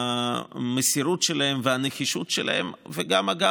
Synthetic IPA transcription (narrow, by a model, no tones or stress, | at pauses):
mesiɾut̪ʃelaɦe̞mveaneχiʃut̪ʃelʔa̰ḛmveɡamaɡa